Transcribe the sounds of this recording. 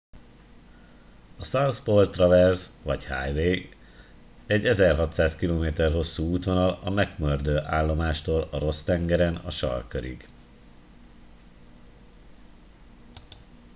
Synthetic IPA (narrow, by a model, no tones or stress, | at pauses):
ɒsawspolt̪rɒvɛrzvɒchaːjveː | ɛɟːɛzɛrɦɒt̪saːskiloːmeːt̪ɛrɦo̞sːuːuːt̪ʋo̞nɒlɒmɛkmørd̪øːʔaːlːo̞maːʃt̪oːlɒɾo̞st̪ɛŋɡɛɾɛnɒ̰ʃɒ̰rkøɾḭɡ